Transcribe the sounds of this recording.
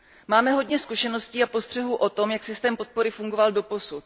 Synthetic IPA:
maːmɛɦo̞dɲɛskuʃɛno̞sciːapo̞st̪r̥ɛɦuːʔo̞t̪o̞mjaksɪst̪ɛːmpot̪̚po̞ɾɪfuŋɡovaldo̞po̞sut̪̚

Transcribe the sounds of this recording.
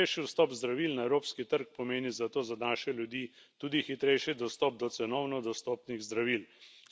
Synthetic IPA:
ɛjʃiwst̪ɔːpzd̪ɾaʋilnaɛwɾoːpskit̪əɾk̚pɔmeːnizat̪oːzanaːʃɛljud̪iːt̪uːd̪ixit̪ɾɛjʃid̪ɔst̪ɔːp̚d̪ɔsɛnɔwnɔd̪ɔst̪ɔːpniɣzd̪ɾaʋiːl

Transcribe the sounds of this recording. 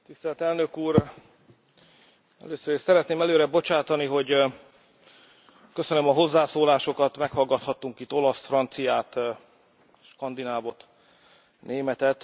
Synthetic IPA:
t̪ist̪ɛlt̪ɛlnø̞kuːr | ɛ̰løːsøɾiʃsɛɾɛt̪neːmɛløːɾɛbo̞t͡ʃaːt̪ɒniɦo̞ɟ | køsønømɒɦo̞zːaːsoːlaːʃo̞kɒt̪mɛkhɒlɡɒt̪hɒt̪ːuŋkit̪ːo̞lɒsfrɒnt̪sijaːt̪ | ʃkɒnd̪inaːvo̞t̪ | neːmɛt̪ɛt̪

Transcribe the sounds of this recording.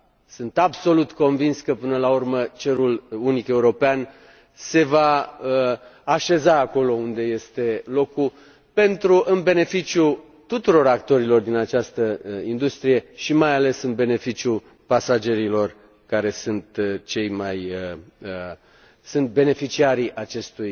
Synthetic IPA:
sɨnt̪abso̞lut̪ko̞nvinskəpɨnəlaurmət͡ʃe̞ɾulunike̞uɾo̞pean | se̞vaəaʃe̞zaːko̞lo̞und̪e̞je̞st̪e̞lo̞ku | pe̞nt̪ɾuʔɨnbe̞ne̞fit͡ʃju | t̪ut̪uɾo̞ɾakt̪o̞ɾilo̞rd̪inat͡ʃast̪əind̪ust̪ɾije̞ʃimajale̞sɨnbe̞ne̞fit͡ʃiu | pasad͡ʒe̞ɾilo̞r | kaɾe̞sɨnt̪t͡ʃe̞jmajəə | sɨnt̪̚be̞ne̞fit͡ʃiaɾiʔat͡ʃe̞st̪uj

